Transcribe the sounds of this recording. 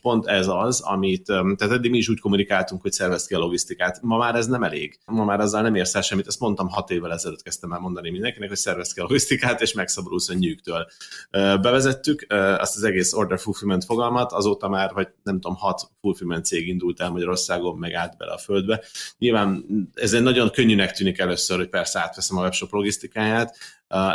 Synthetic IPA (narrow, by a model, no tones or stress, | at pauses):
po̞nt̪ɛzɒzɒ̰mit̪t̪ɛːt̪ɛd̪ːiɡmiːʃ̬uːcko̞munikaːlt̪uŋkho̞csɛrvɛst̪kiɒlo̞ɡist̪ikaːt̪mɒmaːɾɛznɛmɛlḛːɡmɒmaːɾɒzːɒlnɛmeːrsɛlʃɛmːit̪ɛst̪mo̞nt̪ɒmɦɒt̪eːvːɛlɛzɛløːt̪kɛst̪ɛmɛlmo̞nd̪ɒnimind̪ɛŋkinɛkhocsɛrvɛst̪kiɒloɡist̪ikaːt̪eːʃmɛksɒbod̪oːsøɲːyːkt̪øːløːbɛvɛzɛt̪ːykøɒ̰st̪ɒzɛɡeːso̞rd̪ɛrfulfymɛnt̪fo̞ɡɒlmɒt̪ɒzoːt̪ɒmaːrɦoɟnɛmt̪uomhɒt̪fulfymɛnt̪seːɡind̪ult̪ɛlmɒɟɒɾo̞rsaːɡo̞mːɛɡaːd̪bɛ̰lɛ̰ɒføld̪bɛɲilvaːnɛzenɒɟo̞ŋkøɲːynɛkt̪yːnikɛløːsːørhoc̚pɛrsɛaːt̪ʋɛsɛmɒvɛpʃo̞plo̞ɡist̪ikaːjaːt̪ː